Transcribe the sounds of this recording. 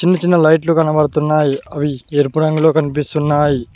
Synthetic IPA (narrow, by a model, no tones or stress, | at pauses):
t͡ʃinːɐt͡ʃinːɐlɐjʈlukɐnɐbɐɽɐt̪unːaːjiɐʋieɾpuɽɐŋɡulo̞ːkɐnip̬ist̪unːaːji